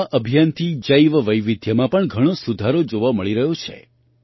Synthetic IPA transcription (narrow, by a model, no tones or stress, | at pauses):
ʔəbʱijant̪ʰid͡ʒəjʋəʋəjʋɪd̪ʱjəmãpəɳɡʱəɽ̃osud̪ʱaɾod͡ʒoʋaməɭiɾəɦot͡ʃʰḛ